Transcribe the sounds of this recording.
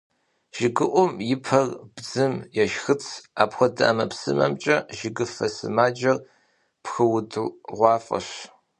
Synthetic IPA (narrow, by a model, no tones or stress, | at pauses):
ʒ̥ɪɡɨʔʷʊmjɪpʰɐrb̥d͡zɨmjɛʃxɨt͡sʰa̰ːpxʷɔdɐamɐpsɨ̰mɐ̰mt͡ʃʼɐʒɪɡɨfɐsɨ̰maːd͡ʒɐr | pxɨwdɨʁʷɑːfʼɐ̰ɕ